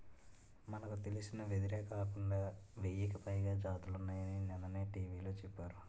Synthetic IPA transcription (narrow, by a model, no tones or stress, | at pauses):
mɐnɐkut̪e̞lisinɐʋet̪̬iɾɛːkaːkuɳɖaːʋejikɐpɐjɡaːd͡ʒaːt̪ulunːaːjɐninɛnːɐneːʈiːʋiːlo̞ːt͡ʃɛpːaːɾu